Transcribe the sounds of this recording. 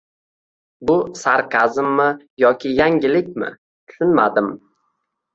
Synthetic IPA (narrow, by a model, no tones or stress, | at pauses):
bʊsaɾqʰɑzɪmːɪ | jɒkʲʰɪjaŋʲɪlɪk̚ʲmɪ̰ | t̪ʰʊ̥ʃʊnma̰d̪ɪm